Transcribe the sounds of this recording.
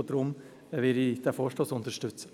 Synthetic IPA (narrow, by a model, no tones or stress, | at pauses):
d̪ɾʊm | ʋɪɾid̪̥ɛfoːʂtoːsʊnt̪əʃtʉt͡sə